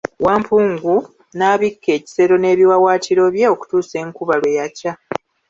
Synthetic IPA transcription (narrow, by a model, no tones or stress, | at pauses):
waːmpuːŋɡu | naːβikʰːe̞ːci̥se̞ɾo̞ne̞ːβiwawaːtiɾo̞βje̞o̞ku̥tuːse̞ːŋkuβalwejaca